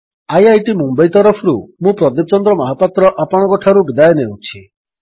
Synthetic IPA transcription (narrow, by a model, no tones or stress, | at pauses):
ajajʈimumbajt̪ɔɾɔpʰɔɾumũpɾɔd̪ip̚t͡ʃɔnd̪ɾɔmaɦɔpat̪ɾɔʔapɔɽ̃ɔɡɔʈʰaɾubid̪ajɔnewt͡ʃʰi